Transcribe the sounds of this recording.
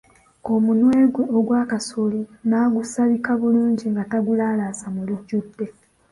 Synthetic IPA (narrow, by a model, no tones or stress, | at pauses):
o̞munwe̞ːɡweoɡwaːkasolinaːɡusaβikaβuluːɲɟiŋɡataɡulaːlasamuluɟːudːe̞